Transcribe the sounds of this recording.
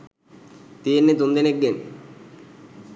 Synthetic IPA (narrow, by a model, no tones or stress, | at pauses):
t̪iːnːet̪und̪eneɡːen